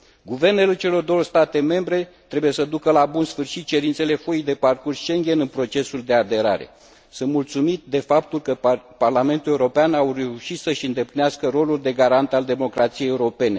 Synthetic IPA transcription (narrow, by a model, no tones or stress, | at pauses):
ɡuve̞rne̞let͡ʃe̞lo̞rd̪o̞wəst̪at̪e̞me̞mbɾe̞t̪ɾe̞buje̞səd̪ukəlabunsfɨrʃit̪̚t͡ʃe̞ɾint̪se̞le̞foid̪e̞parkursʃe̞ŋɡʲe̞nɨnpɾo̞t͡ʃe̞suld̪e̞ad̪e̞ɾa̰ɾe̞̰ | sɨnt̪mult̪sumit̪̚d̪e̞fap̚t̪ulkəparlame̞nt̪uleuɾo̞peanawre̞uʃit̪səʃɨnd̪e̞plineaskəɾo̞luld̪e̞ɡaɾant̪ald̪e̞mo̞kɾat̪sijejeuɾo̞pe̞ne̞